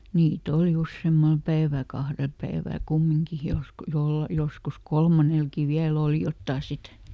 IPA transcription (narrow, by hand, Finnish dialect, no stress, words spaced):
niːt oli usːeːmːɑl pæiʋæl̆ kɑhrel pæiʋæˑl̆ kumːiŋki jos jol joskus kolmɑnelkiˑ ʋiæl oˑli jotːɑˑ sit